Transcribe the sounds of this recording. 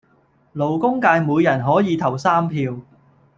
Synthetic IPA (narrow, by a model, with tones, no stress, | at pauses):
lo˨˩wkʊ˥ŋkaː˧jmuː˨˧jːɐ˨˩nɦɔː˨˥jiː˨˧t̪ʰɐ˨˩wsaː˥mpʰiː˧w